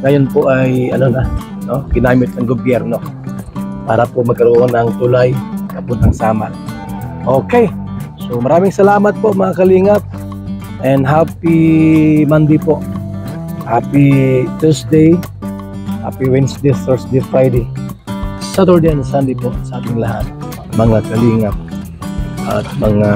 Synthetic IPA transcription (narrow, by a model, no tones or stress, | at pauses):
ŋɐjonpoʔajɐnonɐ | noɡɪnaːmɪt̪̚nɐŋɡobjɛɾno̞ | pa̰ːɾɐpoʔmɐɡ̚kɐɾoʔonɐŋt̪ʊlajɡapʊd̪ɐŋsaːma̰ | ʔokɛjsomɐɾaːmɪŋsɐlaːmɐt̪̚poʔmɐŋakɐliŋat̪̚ | ʔɛnd̪ɦapi | mand̪ɪpoʔ | haːpit̪ɛɹsd̪ej | ha̰ːpiwɛnsd̪ɛθɛɹsd̪ɛjfɹajd̪ɛj | sat̪ɛɹd̪eɛnsand̪ɛjpoʔsɐʔaːt̪ɪŋlɐɦa̰t̪̚ | mɐŋakɐliːŋap̚ | ʔa̰t̪̚mɐŋa